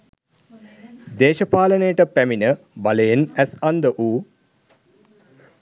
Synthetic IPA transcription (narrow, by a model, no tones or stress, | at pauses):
d̪eːʃɐpaːlənejəʈəpæminə | baləjenæsɐnd̪əʔuː